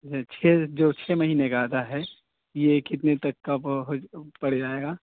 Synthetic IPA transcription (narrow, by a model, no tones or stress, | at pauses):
t͡ʃʰɛd͡ʒoːt͡ʃʰeːmɐɦiːnekaːd̪aɦɛ | jekɪt̪net̪ɐkːaɦopɐɽ̤d͡ʒaːeːɡaː